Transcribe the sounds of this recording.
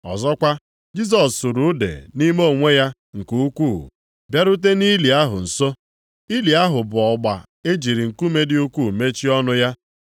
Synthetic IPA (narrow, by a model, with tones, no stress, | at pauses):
ɔ̰˨zɔ˦kʷa˦ | d͡ʒi˦s̬ɔ˨sːu˨ɾu˦dḛ˨ni˦mo˦˨ŋʷe˦ja˦ | ŋ̩˨ku˦u˦kʷuː˦˨ | bja˦ɾʊ˦t̬e˦ni˦li˨a˦ɦʊ̰˨n̩˨so˦ | i˦li˨a˦ɦʊ˨bʊ˨ɔ˨ɡ͡ba˨ | e˦d͡ʒi˨ɾi˨ŋ̩˨ku˦me˦dɪ˦u˦kʷu˦˨me˦t͡ʃi˦ɔ˦nʊ˦ja˦